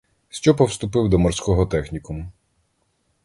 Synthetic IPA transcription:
ʃʲt͡ʃɔpɔwst̪ʊpɪwd̪ɔmɔrsʲkɔɦɔt̪ɛxnʲikʊmʊ

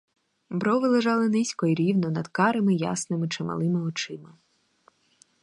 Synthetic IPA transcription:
bɾɔʋɪlˠeʒɑlˠɪnɪsʲkɔiɾʲiwnɔnɐd̪kɑɾɪmɪjɑ̰snɪmɪt͡ʃɪmɐ̰lˠɪmɪɔt͡ʃɪmɪ

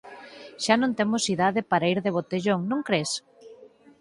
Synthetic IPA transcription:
ʃanõnt̪emosiðaðepaɾaiɾðeβ̞ot̪eʎoŋnõŋkɾes

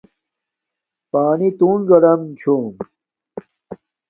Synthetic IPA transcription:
paːnit̪uːnɡɐɽɐmt͡ɕʰuːm

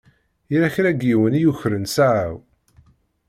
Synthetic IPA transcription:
iɾæçɾæɡiwənijuçɾənsaʕaw

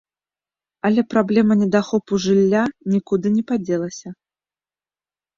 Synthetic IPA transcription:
ɐlʲɛpɾablʲɛmɐnʲɛd̪axɔpuʐɨlʲːanʲikud̪ɨnʲɛpad͡zʲɛlˠɐsʲɐ

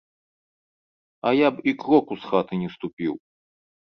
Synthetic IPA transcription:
ɐjapikɾɔkusxat̪ɨnʲɛst̪upʲḭw

